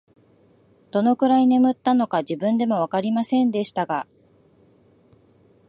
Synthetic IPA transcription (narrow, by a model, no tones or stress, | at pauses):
d̪̥o̞no̞kɯ̟ɾaine̞mɯ̟t̪ːano̞kaʑibɯ̟̃nd̪e̞mo̞βakaɾʲimasẽ̞nd̪e̞ɕi̥t̪aɡa